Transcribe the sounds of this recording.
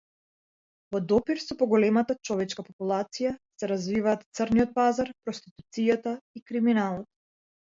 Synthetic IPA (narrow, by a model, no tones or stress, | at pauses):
vɔd̪ɔpiɾsɔpɔɡɔlɛmat̪at͡ʃɔvɛt͡ʃkapɔpulˠat̪sijasɛɾazvivaːt̪t̪sərniɔt̪̚pazaɾpɾɔst̪i̥t̪u̥t̪sijat̪aikɾiminalˠɔt̪